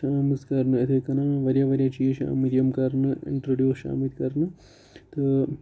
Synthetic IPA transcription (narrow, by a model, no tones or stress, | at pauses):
aːmiskaɾnɨɐt̪ʰikɐnaːʋɐɾjɐʋɐɾjɐt͡ʃijɐʃa̰ːmid̪ijɐmkaɾnɨḭɳʈɾoɖjuːʃa̰ːmit̪kɐɾnɨ | t̪ɨ